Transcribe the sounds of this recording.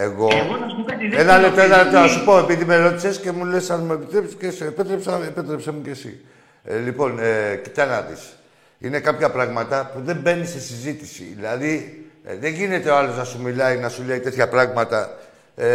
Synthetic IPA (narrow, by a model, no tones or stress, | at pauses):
e̞ɣo̞ɐskɐenɐlept̪oenɐlep̚t̪onɐsupo̞epiðimeɾo̞t̪isesce̞mule̞sɐnmuepit̪ɾepscesepet̪ɾepsɐepet̪ɾepsemuce̞sḭ | lipo̞necit̪ɐnɐðḭs | ḭne̞kɐpçɐpɾɐɣmɐt̪ɐpuðe̞mbe̞nise̞sizit̪isḭðilɐðiðe̞ɲʝine̞t̪e̞oɐlo̞znɐsumilɐinɐsuleit̪e̞t̪çɐpɾɐɣmɐt̪ɐ